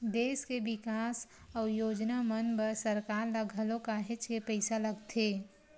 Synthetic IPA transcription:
d̪eːskebɪkaːsɔːjoːd͡ʒnamənbəɾsəɾkaːɾləɡʱəlõkaɦɪt͡ʃkepɛɪsaləɡt̪ʰeː

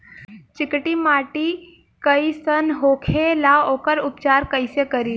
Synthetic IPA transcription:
t͡ʃɪkʈimaːʈi | kəisənɦoːkʰelaoːkəɾʊp̚t͡ʃaːɾkəɪsekəɾi

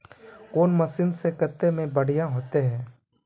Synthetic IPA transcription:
koːnmɐsɪnsekət̪ːemẽbəɽ̤ijaɦoːt̪eɦɛ̃ː

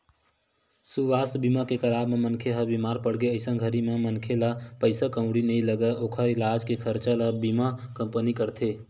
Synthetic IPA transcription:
suʋaːst̪bimakekəlaːbmemənkʰeɦəbimaːɾpəɽɡeəɪsə̃ɡʱəɾimemənkʰelapəɪsakə̃ʊ̃ɽinəĩləɡəʔoːkʰaɪlaːd͡ʒkekʰəɾt͡ʃaləbimakəmpənikəɾt̪ʰe

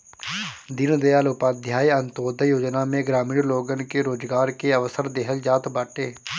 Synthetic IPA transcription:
d̪ɪnd̪ejaːlopaːd̪ʱjaːiɐ̃nt̪oːd̪ʱjoːd͡ʒnamẽɡɾaːmiːɽloːɡənkeɾoːd͡ʒɡaːɾkeəʋəsəɾd̪eɦəld͡ʒaːt̪baːʈeː

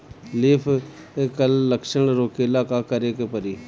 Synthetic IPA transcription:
lɪːpʰ | ekəlːəkʃəɳɾoːkeːɪlaːkaːkəɾeːkepəɾiː

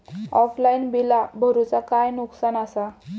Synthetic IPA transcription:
ɔflainbilabʱəɾut͡sakajnuksanasa

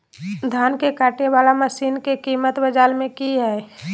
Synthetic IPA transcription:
d̪ʱaːnkekaːʈewaːlaməsiːnkekiːmət̪bəd͡ʒaːlmẽkiɦɛ

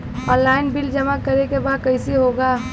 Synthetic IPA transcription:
ɔ̃nlaɪnbild͡ʒəmakəɾekebaːd̪̚kəɪsiɦoɡaː

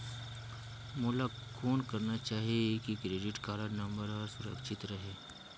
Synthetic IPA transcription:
mulakʰoːnkɐɾnat͡ʃaːɦiekikɾeːɖɪʈkaːɾəɾnə̃mbəɾɔɾsʊɾəkʃɪt̪ɾɐɦeː

